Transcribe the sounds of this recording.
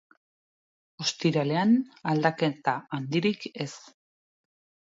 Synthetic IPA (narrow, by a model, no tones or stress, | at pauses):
o̞st̪iɾale̞anald̪ake̞t̪aand̪iɾike̞s